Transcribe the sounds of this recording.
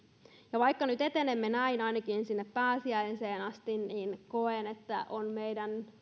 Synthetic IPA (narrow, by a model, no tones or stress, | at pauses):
jɑʋɑikːɑnyt̪et̪enemːenæinɑinɑkinsinːeppæːsiæinseːnɑst̪inniːnkoenet̪ːæʔonmeidæn